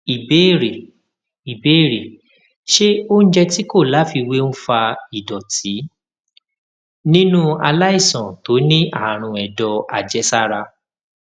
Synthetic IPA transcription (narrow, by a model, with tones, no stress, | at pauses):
i˨be˨˦˨ɾe˨ | i˨be˨˦˨ɾe˨ | ʃe˦o˦n̩˦d͡ʒɛ˧ti˦ko˦˨la˨˦fi˧we˦ñ̩˦fa˧i˨dɔ˨tʰi˨˦ | nĩ˦nũ˦a̰˧la˦i˦˨sɔ̃˨to˨˦nĩ˦ʔa̰˦˨ɾ̃ũ˧˨ɛ˨dɔ˧a̰˨d͡ʒɛ˦sa˦ɾa˧